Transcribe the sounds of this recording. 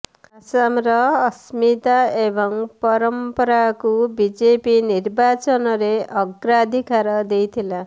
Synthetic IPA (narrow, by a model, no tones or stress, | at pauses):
asamɾʌːsmit̪aebʌŋpʌɾʌmpʌɾakubid͡zepinirbat͡sʌnʌɾeʔʌɡrad̪ʱikaɾʌd̪ejt̪ʰila